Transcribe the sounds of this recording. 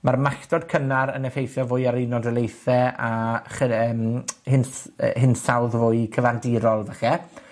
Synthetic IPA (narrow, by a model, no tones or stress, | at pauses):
marmaktɔd̥kʰənaɾə̰nɛfejθjɔvʊːjaɾejnɔdəlˠejθɛaχəəːmhɪnshɪnsawðvʊːɨkʰəvandɪːɾɔlˠvəχɛ